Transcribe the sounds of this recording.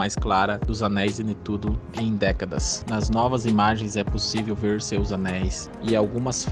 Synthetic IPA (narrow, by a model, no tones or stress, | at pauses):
ajsklaɾɐd̪ʊzɐnɛjzɪd̪ɪt̪ud̪ʊẽj̃d̪ɛkɐd̪ɐ̰snɐznɔvɐzimaʒẽj̃zɛposivewveɾsewzɐnɛjs | ɪawɡũmɐsf